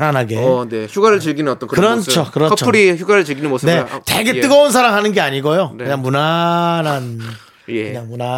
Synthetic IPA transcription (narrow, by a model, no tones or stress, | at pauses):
ɾanɦaɡeneçuɡaɾɯɭt͡ɕɯɭɡinɯnʌt͈ʌnkɯkɯɾʌt͡ɕʰokɯɾʌt͡ɕʰoɾiçuɡaɾɯɭt͡ɕɯɭɡinɯnmosne̞twe̞ɡe̞ɯɡʌuns̬ʰaɾaŋɦanɯnɡe̞aɲiɡojokɯɲaŋmunanan | kɯɲaŋmuna